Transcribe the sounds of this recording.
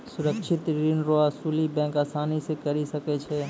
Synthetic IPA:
sʊɾəkʃɪt̪ɾiːnɾoaːsuːlibɛ̃ːkaːsaːnisekɐɾisɐket͡ʃʰeː

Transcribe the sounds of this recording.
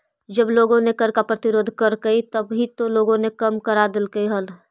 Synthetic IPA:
d͡ʒəbloːɡõnekəɾkapɾət̪ɪɾoːd̪ʱkəɾkəit̪əbɦit̪oloːɡõnekəmkəɾad̪ɪlkəiɦəl

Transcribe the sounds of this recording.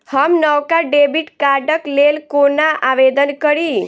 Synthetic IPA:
həmnəʋkaɖebiʈkaɖəklelkonaʔaʋed̪ənkəɾi

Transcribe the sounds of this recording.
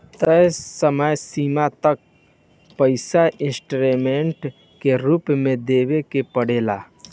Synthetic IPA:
t̪əsəməjsiːmat̪ək̚ | pəɪsaʔɪ̃sʈɾemẽɳʈ | keɾuːpmẽd̪eːwekepəɽeːla̰

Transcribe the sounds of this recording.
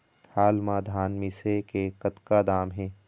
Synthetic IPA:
haːlmãːd̪ʱaːnmɪsekekɐt̪kaːd̪aːmɦɛ̃ː

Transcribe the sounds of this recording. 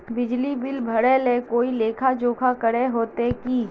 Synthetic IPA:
bɪd͡ʒlibɪlbʱɐɽelekoːileːkʰad͡ʒoːkʰakəɽeɦoːt̪ekiː

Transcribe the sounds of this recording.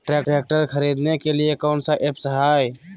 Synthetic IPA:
ʈɾɛkʈɛk̚ʈəɾkʰəɾid̪nekeliekaʊnsaʔepsəɦaːj

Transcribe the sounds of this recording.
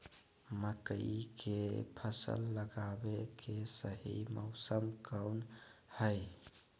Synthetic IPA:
məkəiikepʰəsə̰lːəɡabekʰesəɦḭmə̰ʊsəmkəwnhəjɪ

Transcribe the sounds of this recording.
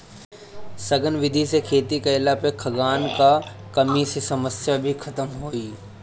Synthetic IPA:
sɐɡənʋɪd̪ʱisekʰeːt̪ikɐɪlapekʰɐɡaːnkakɐmisesɐməsjabʱikʰɐt̪əmɦoːiː

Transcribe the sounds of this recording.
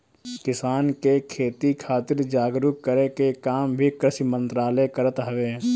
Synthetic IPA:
kɪsaːnkekʰeːt̪ikʰaːt̪ɪɾd͡ʒaːɡɾʊkkəɾekekaːmbʱikɾɪʃmə̃nt̪ɾaːlekəɾət̪ɦɐʋe

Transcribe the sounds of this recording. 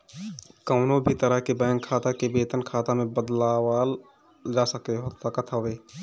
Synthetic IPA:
kəʊnobʱit̪əɾəɦkebɛ̃ːŋkʰːaːt̪akebeːt̪ənkʰaːt̪amẽbəd̪lawaːl | d͡ʒasəkeɦot̪akət̪ʰaʋeː

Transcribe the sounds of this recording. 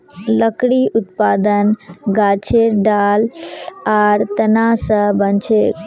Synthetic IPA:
ləkɽiʔʊt̪paːd̪ənɡat͡ʃʰeɾɖalaɾt̪ənasə̃bənt͡ʃʰek

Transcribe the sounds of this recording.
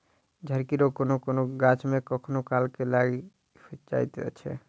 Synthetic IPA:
d͡ʑʱəɾkiɾokonokonoɡat͡ʃmekɔkʰonokalkelaɡi | t͡ʃa̰jt̪ḛa̰t͡ɕʰḛ

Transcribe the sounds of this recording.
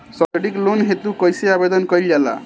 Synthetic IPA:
səɽiklonɦet̪ukəjseabed̪ʌnkʌjld͡ʒala̰

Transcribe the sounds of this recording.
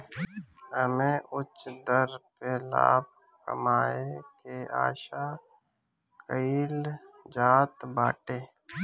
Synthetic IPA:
ɦəmẽːʔʊt͡ʃd̪əɾpela̰ːb̚ | kə̰maːekea̰ːʃa | kəiːld͡ʒaːt̪baːʈeː

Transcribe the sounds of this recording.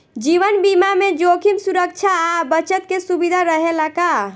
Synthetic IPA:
d͡ʒiʋənbimamed͡ʒokʰimsuɾək̚t͡ʃʰaːbət͡ʃət̪kesubid̪ʱaɾəɦelaka

